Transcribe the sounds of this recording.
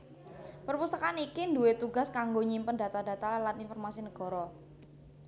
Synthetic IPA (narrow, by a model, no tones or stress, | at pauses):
pərpust̪akanikinduet̪uɡa̤skaŋɡoɲimpənda̤t̪adat̪alalaninfɔrmasinəɡ̥ɔ̤ɾɔ